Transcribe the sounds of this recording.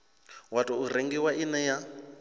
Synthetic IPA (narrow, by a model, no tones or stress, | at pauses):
watʼɔuɾeŋɡiwaʔinɛja